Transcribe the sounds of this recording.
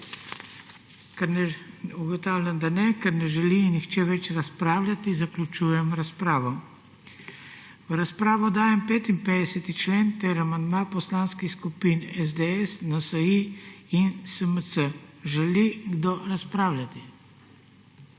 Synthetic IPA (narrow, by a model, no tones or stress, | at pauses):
kɛɾnɛuɡɔt̪aːwlʲjand̪anɛkɛɾnɛʒɛlinːixt͡ʃɛʋɛt͡ʃɾaspɾaːwlʲat̪izaklʲut͡ʃuːjɛmɾaspɾaːʋɔ | ʋɾaspɾaːʋɔd̪aːjɛmpeːt̪imped̪ɛsɛt̪it͡ʃleːnt̪ɛɾamand̪mapɔslaːnskixskupinɛzd̪eɛsnasaiinsəməsəʒɛliɡd̪oɾaspɾaːwlʲat̪i